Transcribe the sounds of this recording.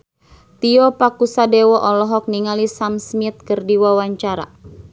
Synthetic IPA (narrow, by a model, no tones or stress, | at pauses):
t̪iɔpakusadɛwɔʔɔlɔɦɔk̚niŋalisamsmit̪̚kɨrdiwawaɲt͡ʃaɾa̰